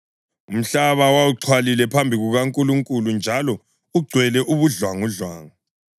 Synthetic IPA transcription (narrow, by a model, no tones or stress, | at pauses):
um̩ɬaβawauǁʰwalilɛpʰambʱiɣuɣaŋkʼuluŋkʼulund͡ʒʱalɔ | uɡ͡ǀʱwɛlɛʔuβuɮwaŋuɮwa̰ːŋɔ